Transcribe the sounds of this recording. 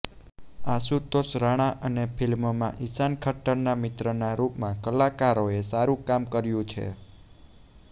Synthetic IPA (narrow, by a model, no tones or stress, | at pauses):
asut̪osɾaɽ̃aʔənepʰilmmãʔisankʰəʈəɾnamɪt̪ɾənaɾupmãkəlakaɾoesaɾũkamkəɾjũt͡ʃʰḛ